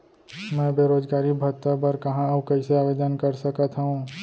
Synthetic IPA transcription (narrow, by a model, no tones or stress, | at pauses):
mɛ̃ːbeːɾoːd͡ʒɡaːɾibʱɐt̪ːəbɐɾkɐɦãɐbkɐɪseaːʋeːd̪ənkɐɾsɐkət̪ɦũ